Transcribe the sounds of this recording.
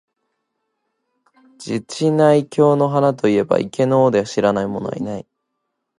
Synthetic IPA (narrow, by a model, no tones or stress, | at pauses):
d͡ʑit͡ɕinaikʲo̞ːno̞ɦanat̪̬o̞ie̞ba̰ʔḭke̞no̞ːd̪e̞aɕiɾanaimo̞no̞a̰ḭnai